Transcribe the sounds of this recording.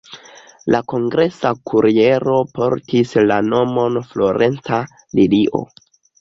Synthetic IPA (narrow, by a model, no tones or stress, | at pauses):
lako̞ŋɡɾe̞sakʰuɾie̞ɾo̞po̞ɾtislano̞mo̞nflo̞ɾe̞nt͡sa | liliʔo̞̰